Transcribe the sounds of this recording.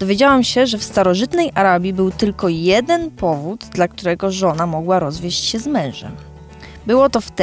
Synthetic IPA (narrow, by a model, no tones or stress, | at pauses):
d̪ɔvʲjed͡ʑawamɕɛʐɛfst̪aɾɔʐɘt̪nɛjʔaɾabʲjibɘwt̪ɘlkɔjɛd̪ɛnpɔvud̪d̪lak̚t̪uɾɛɡɔʐɔnamɔɡwaɾɔzvʲjeɕt͡ɕɕɛzmɛ̃w̃ʐɛ̰m | bɘwɔt̪ɔft̪